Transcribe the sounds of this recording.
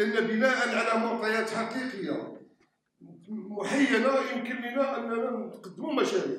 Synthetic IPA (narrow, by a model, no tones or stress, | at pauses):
ʔənːæbənæʔənʕalæmɑʕt̪ˤɑjæt̪ħɑqiqəjːa̰ | mʊħajːænæjəmkənːənæʔənːænæt̪qɑd̪ːmumæʃæɾḭʕ